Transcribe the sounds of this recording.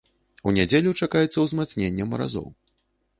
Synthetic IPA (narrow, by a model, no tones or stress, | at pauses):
unʲad͡zʲelʲut͡ʂakajɛt̪sːɐwzmat̪snʲenʲːɛmɐɾa̰zɔ̰w